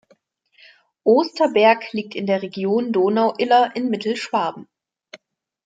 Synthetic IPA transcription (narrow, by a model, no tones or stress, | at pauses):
ʔoːstɐbɛɐkliːk̚tɪndeːɐʁeɡjoːndoːnaʊʔɪlɐʔɪnmɪtl̩ʃv̥aɐbm̩